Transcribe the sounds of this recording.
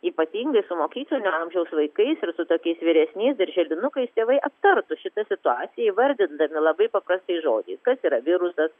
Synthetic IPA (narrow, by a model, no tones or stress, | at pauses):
iːpɐt̪ʲiːŋɡɐɪsʊmoːkʲiːklˠoːnʲuɐmʲʒʲɛʊsʋɐɪkɐɪsɪɾsʊt̪oːkʲɛɪsʋʲiɾʲɛsʲnʲɛɪsd̪ɐɾʲʒʲɛlʲɪnʊkɐɪst̪ʲeːʋɐɪʔɐpt̪ɐɾt̪ʊʃʲɪt̪ɐsʲɪt̪ʊɑːt̪sʲɪjɛɪʋɐɾʲd̪ʲɪnd̪ɐmʲɪlˠɐbɐɪpɐpɾɐst̪ɐɪʒoːd͡ʒʲɛɪskɐsiːɾɐʋʲɪɾʊsɐs